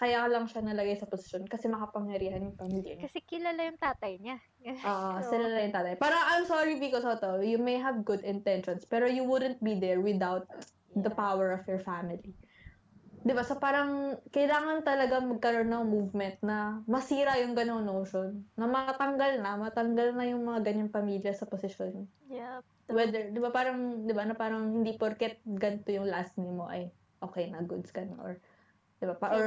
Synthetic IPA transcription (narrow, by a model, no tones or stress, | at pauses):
kɐjaːkɐlɐŋʃanɐlɐɡajsɐposɪ̥ʃonkɐsɛmɐkɐpɐŋjɐɾiːhɐnjʊŋpɐmiljɐ̰kɐsɛkɪlalajʊŋt̪aːt̪ɐjɲa | ʔoːʔosɪlalajʊŋt̪aːt̪ɐajpaːɾɐŋʔajmsoɹibɪkɔsot̪ojumejɦɐvɡʊd̪ɪnt̪ɛnʃɔnspɛːɾojuwʊd̪ɛnt̪̚bid̪ɛɹwɪd̪awt̪̚ | d̪ɐpawɛɹɔfjɔɹfamɪli | d̪ɪbasopaːɾɐŋkɐjlaːŋɐnt̪ɐlɐɡaŋmɐɡ̚kɐɾonːɐŋmuvmɛnt̪̚nɐmɐsiːɾɐjʊŋɡɐnoŋnowʃonːɐmɐt̪ɐŋɡɐlnɐmɐt̪ɐŋɡɐlnɐjʊŋmɐŋaɡɐɲanpɐmiːljɐsɐposɪʃon | wɛd̪ɛɹd̪ɪbapaːɾɐŋd̪ɪbanɐpaːɾɐŋhɪnd̪ipoɾkɛt̪̚ɡɐnt̪ojʊŋlɐʔasnɪmo̞ʔɐj | ʔoːkɛjnɐɡʊd̪skɐnʔo̰ɹ | d̪ɪbapaʔoɹ